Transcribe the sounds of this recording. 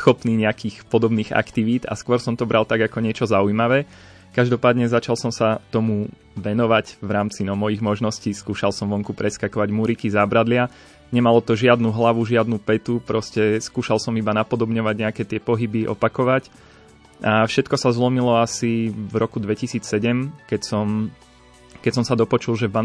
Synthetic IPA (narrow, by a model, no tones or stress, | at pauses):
xɔpniːɲɛakiːxpɔd̪ɔbniːɣa̰kt̪iʋiːd̪a̰skʊɔɾsɔmt̪ɔbɾalt̪aɡakɔɲɪɛt͡ʃɔzaujmaʋɛː | kaʒd̪ɔpaːd̪ɲɛzat͡ʃalsɔmsat̪ɔmu | ʋɛnɔʋacʋɾaːmt͡sinɔmɔjiɣmɔʒnɔsciːskuːʃalsɔmʋɔŋkupɾɛskakɔʋaɟmuɾikizabɾad̪lɪa | ɲɛmalɔt̪ɔʒɪad̪nuɦlaʋuʒɪad̪nupɛt̪upɾɔscɛskuːʃalˠsɔmibanapɔd̪ɔbɲɔʋaɟɲɛakɛt̪ɪɛpɔɦibiʔɔ̰pakɔʋac | afʃɛt̪kɔsazlɔmilɔasivɾɔkud̪ʋɛcisiːt͡ssɛɟɛmkɛcsɔm | kɛcsɔmsad̪ɔpɔt͡ʃulˠʒɛvba